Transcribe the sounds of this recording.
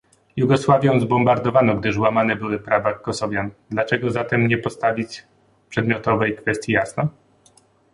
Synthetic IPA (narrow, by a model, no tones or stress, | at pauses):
juɡɔswavʲjɔ̃w̃zbɔmbaɾd̪ɔvanɔɡd̪ɘʐwamanɛbɘwɘpɾavakːɔsɔvʲjand̪lat͡ʂɛɡɔzat̪ɛmɲɛpɔst̪avʲit͡ɕ | pʂɛd̪mʲɔt̪ɔvɛjkfɛst̪jijasnɔ